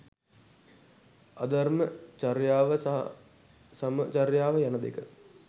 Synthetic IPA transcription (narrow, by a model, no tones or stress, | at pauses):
ad̪armət͡ʃaɾjaːʋəs | sɐmət͡ʃarjaːʋəjanəd̪ḛkə